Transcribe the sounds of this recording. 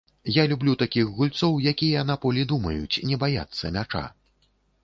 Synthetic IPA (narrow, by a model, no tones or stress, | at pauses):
jalʲublʲut̪akʲiɣɣulʲt̪sɔwjakʲijɐnapɔlʲid̪umɐjut͡sʲnʲɛbaja̰t̪sːɐmʲat͡ʂa̰